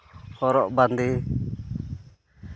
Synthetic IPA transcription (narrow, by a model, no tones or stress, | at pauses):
hɔɾɔʔband̪i